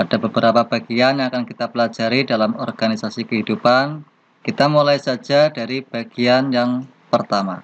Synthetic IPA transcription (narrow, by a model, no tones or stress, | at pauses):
pad̥abəbəɾapab̥aɡianjaŋakankit̪apəlad͡ʒaɾidalamɔ̰rɡ̥anisasikəɦidupan | kit̪amulajsad͡ʒadaɾib̥aɡ̥ianjaŋ | pərt̪ama̰